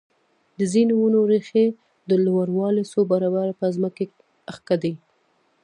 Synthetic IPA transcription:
d̪əzineunoɾexe | d̪əlwaɾwɑlesobaɾɑbaɾpəzməke | axkad̪i

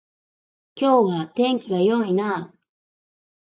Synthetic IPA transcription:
kowat̪eŋkiɡajoŋina

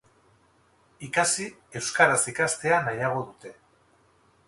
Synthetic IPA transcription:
ikasie̞wskaɾasikast̪e̞anajaɣ̞o̞ðut̪e̞

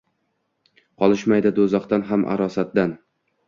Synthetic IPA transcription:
qʰɒlˠɪʃmajd̪ɪd̪ozɒqt̪anɦamʔa̰ɾɒsat̪̚d̪an

